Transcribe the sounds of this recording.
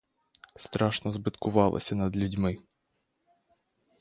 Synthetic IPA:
st̪ɾɑʂnɔzbɨt̪kʰʊʋɑlˠɔ̰sʲɐnɐd̪lʲudʲmɪ

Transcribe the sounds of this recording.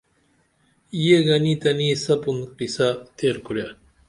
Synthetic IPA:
ijeɡɐnit̪ɐnisɐpunqisat̪eɾkuɾja

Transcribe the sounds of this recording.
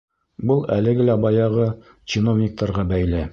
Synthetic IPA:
bɤlˠæ̰lɘ̆ɡɘlæbɑjɑʁɤ | t͡ɕɪno̞vnʲɪk̚t̪ɑɾʁɑbæjlɘ

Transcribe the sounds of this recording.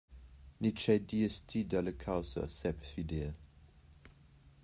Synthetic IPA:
nit͡ʃɛdiəstʰidaləkʰawsə̰sɛpfideə

